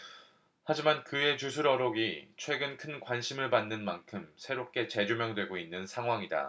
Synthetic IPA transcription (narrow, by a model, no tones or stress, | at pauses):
had͡ʑimankɯe̞t͡ɕusʰuɾʌɾoɡit͡ɕʰwe̞ɡɯnkʰɯnkwanɕʰimɯɭpanːɯnmankʰɯmsʰe̞ɾop̚k͈e̞t͡ɕe̞d͡ʑomjʌŋdwe̞ɡoinːɯnsʰaŋɦwaŋida̰